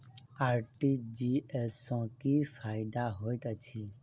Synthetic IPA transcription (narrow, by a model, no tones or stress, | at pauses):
aːɾʈid͡ʒiesɔ̃kiːfʰaːɪd̪aɦoːjt̪ət͡ʃʰi